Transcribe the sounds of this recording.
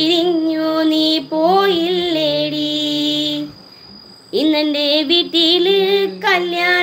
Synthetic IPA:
iɾiɲːuniːpoːjilːeːɽi | inːende̞ʋiʈːilɨkɐljaː

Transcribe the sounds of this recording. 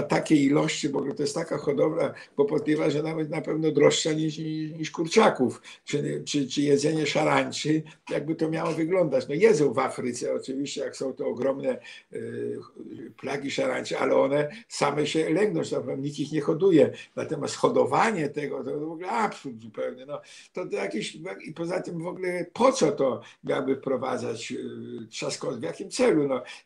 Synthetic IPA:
t̪akʲɛilɔɕt͡ɕibɔɡlɛt̪ɔjɛst̪akaxɔd̪ɔbɾab̥ɔpɔt̪lʲɛvaʐɛɔnabɛsnapɛvnɔd̪ɾɔʂʂaɲiʂɲiɲiʂkuɾt͡ʂakuf | t͡ʂɨt͡ʂɘt͡ʂɘjɛd̪zɛɲɛʂaɾaɲt͡ʂɨjaɡ̚bɘt̪ɔmʲjawɔvɘɡlɔnd̪at͡ɕnɔjɛd̪zɔ̃w̃vafɾɨt̪sɛɔt͡ʂɨvʲiɕt͡ɕɛjaksɔ̃w̃t̪ɔɔɡɾɔmnɛ | plaɡʲiʂaɾa̰ɲʲt͡ʂɛa̰lɛɔnɛsamɛɕɛlɛŋɡnɔ̃w̃t͡ɕt̪apɔmɲik̪ixɲɛxɔd̪ujɛnat̪ɔmʲast̪xɔd̪ɔvaɲɛt̪ɛɡɔt̪ɔvɔɡulɛapsult̪zupɛwɲɛnɔ | t̪ɔt̪jakʲiɕaipɔzat̪ɪmvɔɡulɛpʰɔt̪sɔt̪ɔ | mʲjawbɘfpɾɔva̰d̪zat͡ɕ | ʂaskɔt̪vʲjakʲimt̪sɛlunɔ

